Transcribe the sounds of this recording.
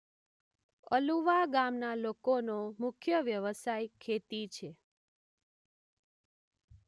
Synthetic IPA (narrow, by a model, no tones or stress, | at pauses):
əluʋaɡamnalokonomʊkʰjəʋjəʋəsajkʰet̪it͡ʃʰe